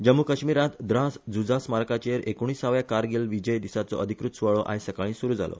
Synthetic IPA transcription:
d͡ʑəmːukəɕmiɾãt̪d̪ɾãsd͡zud͡zasmaɾkat͡ɕeɾʔekoɽ̃iːsaʋjakaɾɡelʋid͡ʑəjd̪isat͡sɔ̰ʔəd̪ʱikɾut̪suʋaɭɔʔa̰jsəkaɭĩːsuɾuːd͡za̰lo̰

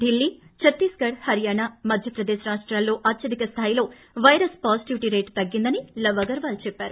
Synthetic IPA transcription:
d̪ilːiːt͡ʃɐt̪ːiːskɐɽhɐɾijaːɳamɐd̪ʱjɐpɾɐd̪eːʃɐɾaːsʈɾaːlːo̞ːʔɐt̪ːʃɐd̪ikɐst̪ʰaːjilo̞ː | ʋɐjɐɾɐspaːsiʈiʋiʈiɾejʈt̪ɐɡːind̪ɐnilɐʋɐɡɐɾʋaːlt͡ʃɛpːaːɾu

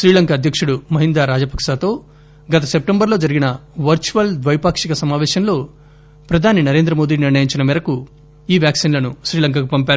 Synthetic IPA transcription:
ʃɾiːlɐŋkaːd̪ʱjɐkʂuɽumɐɦind̪aːɾaːd͡ʒɐpɐkʂaːt̪o̞ː | ɡɐt̪ɐsep̚ʈembɐɾlo̞ːd͡ʒɐɾiɡinɐʋɐɾt͡ʃuʋɐld̪ʋɐjpaːkʂikɐsɐmaːʋɛːʃɐnlo̞ː | pɾɐd̪ʱaːninɐɾeːnd̪ɾɐmo̞ːd̪iːniɾɳɐjiɲt͡ʃinɐmɛɾɐku | iːʋjaːksiːnlɐnuʃɾiːlɐŋk̬aːkupɐmpʲaːɾu

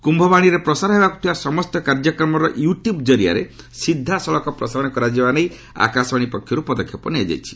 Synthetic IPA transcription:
kumbʱɔbaɽ̃iɾepɾɔsaɾɔɦebaku̥ʈʰibasɔmɔst̪ɔkaɾd͡ʒɔkɾɔmɔɾɔjuʈjubd͡ʒɔɾia̰ɾe | sid̪ʱːasɔɭɔkɔpɾɔsaɾɔɽ̃ɔkɔɾad͡ʒebanej | a̰kasbaɽ̃ipɔkʰːjɔɾupɔd̪ɔkʰjɔpɔniad͡ʒa̰jt͡ʃʰi̥

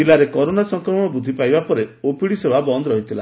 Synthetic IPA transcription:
ilaɾekɔɾonasɔŋkɾɔmɔɔbud̪ʱipajbapɔɾeopiɽisebabɔnd̪ɔɾɔɦit̪ʰila

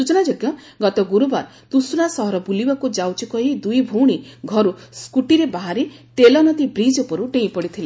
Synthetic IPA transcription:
sut͡ʃɔnad͡ʒɔɡjɔ | ɡɔt̪ɔɡuɾubaɾ | t̪usunasɔɦɔɾɔbulibakud͡ʒawt͡ʃʰikɔɦid̪ujbʱowɽ̃iɡʱɔɾuskuʈiɾebaɦaɾe | t̪elɔnɔt̪ibɾid͡ʒɔpɔɾuɖẽj̃pɔɽit̪ʰile

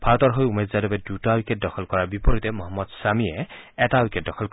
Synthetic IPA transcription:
b̥ʱaɹɔtɔɹɦojumezzadɔbɛdutawiket̚dɔxʰɔlkɔɹaɹbipɔɹitɛmɔɦɔmːɔdsamijɛɛtawiket̚dɔxʰɔlk

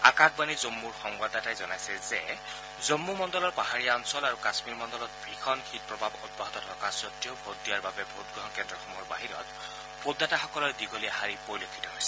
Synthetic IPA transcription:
a̰kakbanizomːuɹxɔŋɡadatajzɔnajsɛzɛ | zomːumɔndɔlɔɹpaɦaɹijaɔnsɔlaɹukasmiɹmɔndɔlɔt̚bʱɹixʰɔnkʰit̚pɹɔbʱabɔd̚bɔɦɔtɔtʰɔkasɔtːijobʱodijaɹbabɛbʱotɡɹɔɦɔnkɛndɹɔxɔmɔɹbaɦinɔ̰t | b̥ʰodːataxɔkɔlɔɹdiɡolijahaɹipoɹilokʰːi̥tɔɦojsɛ

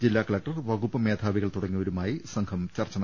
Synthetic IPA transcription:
d͡ʑilːaːkɐɭɐk̚ʈɐrʋɐɣupːɐme̞ːd̪ʱaːʋiɣɐɭt̪uɽɐŋːiʋɐɾumaːjisɐŋkʰɐmt͡ɕɐrt͡ɕːɐnɐ

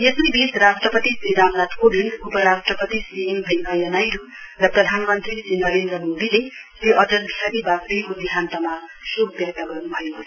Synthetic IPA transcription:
jesibisrasʈrʌpʌt̪isid̪amnat̪ʰkobiŋupʌɾasʈrʌpʌt̪isijembʱinnʌjʌnajɾu | rʌprʌd̪ʱanmʌnt̪risinʌɾend̪rʌmod̪ilet̪oʔʌʈʌlisʰaɾibakɾijkod̪iɦant̪ʌmasubbjʌk̚t̪ʌɡʌrnubʱʌjo

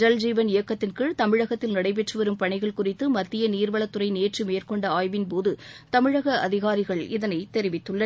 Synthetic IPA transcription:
d͡ʒɐld͡ʒiːʋɐnɪjɐkːɐt̪ːɪnkɯt̪ɐmɪɻɐɣɐt̪ːɪlnɐɽɐɪp̬ɛʈrɯʋɛɾɯmpɐɳɪɣɐɭkʊrɪt̪ːɯmɐt̪ːɪjɐniːɾʋɐɭɐt̪ːʊɾɐɪneːʈrimeːrkɔɳɖɐaːjʋɪnpoːðɯt̪ɐmɪɻɐɣɐʔɐðɪɣaːɾɪɣɐɭɪðɐnɐɪt̪ɛɾɪʋɪt̪ːɯɭːɐ

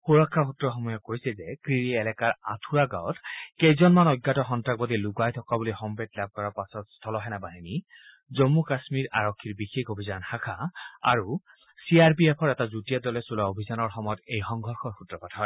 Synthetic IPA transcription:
xuɹɔkʰːaxutɹɔxɔmɔjɔkojsɛzɛkɹiɹiɛlɛkaɹa̰tʰuɹaɡawɔtkejzɔnmanɔɡːatɔxɔntak̚bɔdiluɡajtʰɔkabulixɔmbɛtlab̚kɔɹapasɔtstʰɔlɔɦɛnabaɦini | zomːukasmiɹaɹɔkʰːiɹbixekobʱizanhakʰaa̰ɹu | siaɹbiepʰɔɹɛtazutijadɔlɛsulaobʱizanɔɹxɔmɔjɔtejxɔŋɡʱɔɹxɔɹxutɹɔpatʰɔj

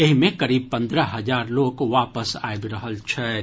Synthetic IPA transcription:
eɦmẽkɐɾiːb̚pɐ̃nd̪ɾəɦɐzaːɾloːkʋaːpəsa̰ːjbɾɐɦəlt͡ʃʰɛː

